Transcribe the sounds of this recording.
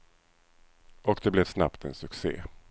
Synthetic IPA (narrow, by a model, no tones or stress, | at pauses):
ɔkd̪ɛblɛvsna̰pt̪ɛnsɵksḛː